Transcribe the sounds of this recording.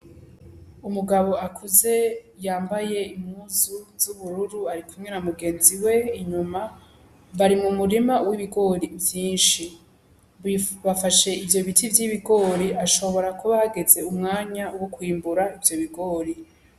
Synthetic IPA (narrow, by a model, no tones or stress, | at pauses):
umuɡaβo̞akʰuze̞jaːmbaje̞imhuːzuzuβuɾuɾuaɾikumŋe̞namuɡe̞ːnziwe̞iɲuma | βaɾimŋumuɾimawiβiɡo̞ːɾivjiːnʃi | iβafaʃe̞ivjo̞βitivjiβiɡo̞ːɾiʔaʃo̞βo̞ɾakuβahaɡe̞ze̞umŋaːɲauwokwiːmbuɾaivjo̞βiɡo̞ːɾi